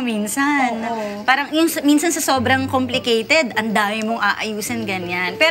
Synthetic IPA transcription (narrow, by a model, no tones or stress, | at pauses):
minsɐnpaːɾɐŋjʊŋsɐminsɐnsɐsoːbɾɐŋkomplɪkɛjt̪ɛd̪ʔɐnd̪aːmɪmoŋʔaːʔɐjuːsɐnɡɐnanpɛː